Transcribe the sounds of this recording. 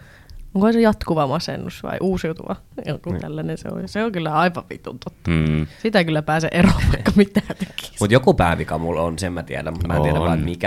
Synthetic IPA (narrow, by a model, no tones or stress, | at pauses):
oŋkoisejɑt̪kuʋɑmɑsḛnːusʋɑ̰iʔuːsjut̪ṵʋɑ̰ | jo̰kut̪ælːænensḛo̰jseoŋkylːæɑiʋɑʋʋḭt̪ṵnt̪ot̪ːɑ̥sit̪ækylːæpæːseʔeroːpːɑkːɑmit̪æːt̪ekːi̥mut̪jokupæˑiʋikɑmulonsemmæt̪iedæmumæːtietæʋɑ̰ːet̪mikæ